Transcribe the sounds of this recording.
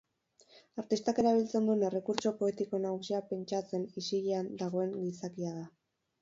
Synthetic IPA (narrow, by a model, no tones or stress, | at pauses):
aɾt̪ist̪ake̞ɾaβ̞ilt͡se̞nd̪une̞re̞kuɾt͡ʃo̞po̞e̞t̪iko̞naɣusiape̞nt͡ʃat͡se̞nisiɣiand̪aɣ̞o̞e̞ŋɡisakiað̞a